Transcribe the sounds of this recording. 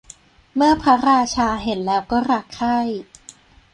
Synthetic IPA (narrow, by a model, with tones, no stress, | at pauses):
mɯ˥˩ɐpʰɾa˦˥ɾaː˧t͡ɕʰaː˧ɦe˨˩˦nlɛː˦˥wkɔː˥˩ɾaː˧˩kkʰa˥˩j